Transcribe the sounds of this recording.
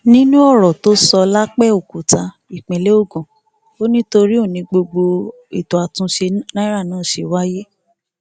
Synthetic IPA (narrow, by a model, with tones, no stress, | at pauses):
nĩ˦nũ˦ɔ˦˨ɾɔ˨to˦sɔ˧la˦k͡pɛ˦˨o˨ku˨ta˧ | i˨k͡pẽ˨le˦o˦˨ɡɔ̃˨ | o˦nĩ˦to˧ɾi˦o˦˨nĩ˧ɡ͡bo˧ɡ͡bo˧ | ḭ˨tɔ˨a˨tũ˧ʃe˧nã˦ɾa˦˨nãː˦˨ʃe˧wa˦je˦